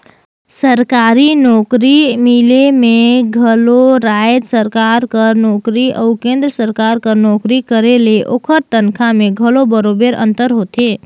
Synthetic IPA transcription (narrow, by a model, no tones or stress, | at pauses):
səɾkaɾinɔkɾimilemeɡʱəloɾaed̪səɾkaɾkənɔkɾiʔə̰ukẽnd̪ɾəsəɾkaɾkənɔkɾikəɾeleʔo̰kʰəɾt̪ənkʰameɡʱəlobəɾobeɾə̰̃nt̪əɾɦot̪e